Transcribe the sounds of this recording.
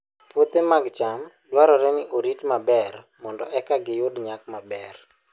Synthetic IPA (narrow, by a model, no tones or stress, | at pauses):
pwot̪emaɡt͡ʃam | dwaɾɔɾɛnɪʔoɾitmabɛr | mɔndɔʔɛkaɡɪjʊdɲak̚mabɛr